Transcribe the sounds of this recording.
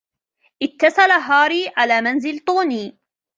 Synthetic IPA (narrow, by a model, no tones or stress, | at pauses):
ʔɪt̪ːɑsˤɑlaɦɑːɾiːʕalaːmanzɪlt̪ˤuːniː